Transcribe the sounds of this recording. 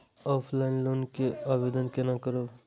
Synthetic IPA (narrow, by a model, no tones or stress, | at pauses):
ɔːpʰlaɪnloːnkeabed̪ənkenakəɾo